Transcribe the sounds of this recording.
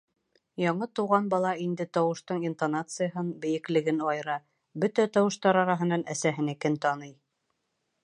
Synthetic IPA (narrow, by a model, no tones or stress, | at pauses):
jɑɴɤt̪uʁɑnbɑlˠɑind̪ɘt̪ɒwɤ̆ʃt̪ɤɴint̪anat̪sɨjaɦɤnbɘ̆jɘ̆klɘ̆ɡɘnɑjɤɾɑ | bɵt̪æt̪ɒwɤ̆ʃt̪ɑɾɑɾɑɦɤ̆nɑnæsæɦɘ̆nækɘnt̪ɑnɤj